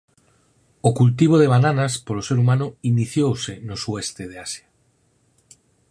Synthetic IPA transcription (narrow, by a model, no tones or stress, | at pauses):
okult̪iβ̞oð̞eβ̞ananaspoloseɾumãnoiniθjowsenosuest̪eð̞easja